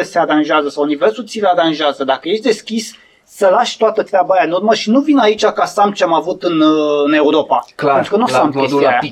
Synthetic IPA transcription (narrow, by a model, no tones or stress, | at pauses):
əseaɾanʒeazəsawunivelsut̪siɾeaɾanʒeazəd̪akəje̞ʃt̪ʲd̪e̞skʲis | səlaʃt̪oat̪ət̪ɾeabaɾjanurməʃinuvinait͡ʃakasamt͡ʃeamavut̪ɨne̞uɾo̞paenɾukənuseampou